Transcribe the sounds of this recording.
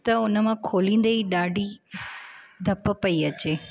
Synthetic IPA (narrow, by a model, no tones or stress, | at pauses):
t̪ɐʊnə̆mãkʰoːlĩːn̆d̪eiɗaːɖʱi | d̪ʱɐpəpɐiɐt͡ɕeː